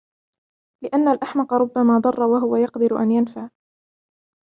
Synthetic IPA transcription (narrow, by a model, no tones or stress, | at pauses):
lɪʔanːalʔaħmɑqɑɾˤʊbːamaːd̪ˤɑrˤːɑwaɦʊwajɑqd̪ɪɾʊʔa̰njanfaʕ